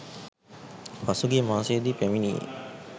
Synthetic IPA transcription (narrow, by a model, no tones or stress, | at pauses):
fasuɡemaːseːd̪ipæminiḛ